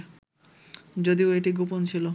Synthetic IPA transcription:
d͡ʑod̪ioeʈiɡopont͡ɕʰilo

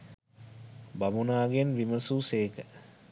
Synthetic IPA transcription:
bamunaːɡenʋiməsuseːkə

